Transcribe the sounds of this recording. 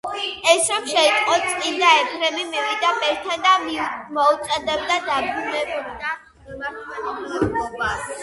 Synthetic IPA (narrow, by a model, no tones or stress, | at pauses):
ɛsɾɔmʃɛt̪ʼqʼɔt̪sʼkʼind̪aɛpʰɾɛmimivid̪abɛɾt̪ʰand̪ammɔut̪sʼɛd̪ɛb̚d̪ad̪abɾunɛb